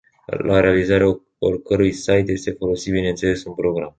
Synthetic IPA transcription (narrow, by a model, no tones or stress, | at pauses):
laɾe̞alizaɾea | o̰rkəɾujsajt̪je̞st̪e̞fo̞lo̞sit̪̚bine̞nt̪se̞le̞sɨnpɾo̞ɡɾam